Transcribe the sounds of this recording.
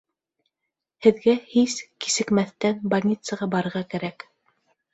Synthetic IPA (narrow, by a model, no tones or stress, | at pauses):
hɘ̆ðɡæhiski̥sɘ̆kmæθt̪ænbɐɾʲnʲit̪səʁɑbɑɾɤ̆ɾʁɑkæɾæk